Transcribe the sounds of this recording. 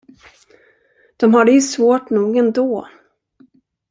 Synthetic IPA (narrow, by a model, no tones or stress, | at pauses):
d̪̥ɔmɦaɖɛjɵsvoːʈnuːɡɛnd̪oː